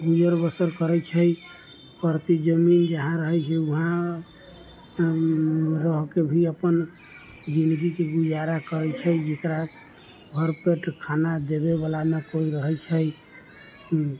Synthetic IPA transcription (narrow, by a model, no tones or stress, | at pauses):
ɡud͡ʒəɾbəsəɾkəɾɛt͡ʃʰəj | pəɾt̪id͡ʒəmind͡ʒəɦãɾəɦɛt͡ʃʰɛuɦã | ɾəɦkebʱiəpən | d͡ʒind̪ɡikeɡud͡ʒaɾakəɾɛt͡ʃʰəjd͡ʒekɾa | bʱəɾpeʈkʰanad̪ebebalanekoiɾəɦɛt͡ʃʰəj